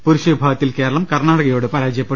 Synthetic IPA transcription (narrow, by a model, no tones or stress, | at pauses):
puɾuɕɐbʱaːɡɐt̪ːilke̞ːɾɐɭɐmkɐrɳaːɽɐɣɐjo̞ːɽepɐɾaːd͡ʑjɐpːe